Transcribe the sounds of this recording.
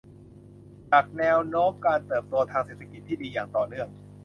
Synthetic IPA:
t͡ɕa˨˩k̚nɛː˧wnoː˦˥mkaː˧nt̪ɤː˨˩p̚t̪u˧ɐt̪ʰaː˧ŋseː˨˩t̪ʰa˧ki˨˩t̪ʰːiː˥˩diː˧jaː˨˩ŋt̪ɔː˨˩nɯ˥˩əŋ

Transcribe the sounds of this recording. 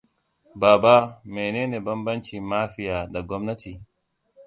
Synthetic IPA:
baː˨ba˦me˨neː˦ne˨bɐ˦mbɐ˦nt͡ʃi˨maː˦fi˦jaː˨da˨ɡɔ˦mnɐ˦ti˨

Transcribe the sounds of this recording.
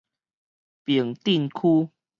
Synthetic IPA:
pji˨˩ŋt̪i˥˨nkʰu˦

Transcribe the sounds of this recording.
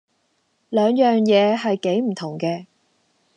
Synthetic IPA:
lœː˨˧ŋjœː˨ŋjɛː˨˧ɦɐ˨jke˨˥jm̩˨˩t̪ʰʊ˨˩ŋkɛː˧

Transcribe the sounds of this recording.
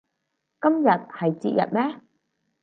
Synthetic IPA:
kɐ˦˥mjɐ˨˩t̚hɐ˨˩jt͡sḭ˧˨jɐ̰˨˩t̚mɛ˦˥

